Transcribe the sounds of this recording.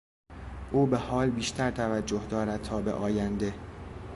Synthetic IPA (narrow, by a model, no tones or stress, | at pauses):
ʔuːbe̞hɒːlbiːʃt̪ʰæɾt̪ʰævæd͡ʒːohd̪ɒːɾæd̪̚t̪ʰɒːbḛʔɒːjænd̪e̞